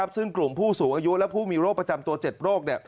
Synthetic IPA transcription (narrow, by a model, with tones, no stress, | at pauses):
a˦˥p̚sɯ˥˩ŋklu˨˩mpʰuː˥˩suː˩˦ŋʔaː˧ju˦˥ʔlɛ˦˥wpʰuː˥˩miː˧ɾoː˥˩kpːɾa˧t͡ɕa˧mt̪u˧ɐt͡ɕe˨˩t̪̚ɾoː˥˩k̚ni˦˩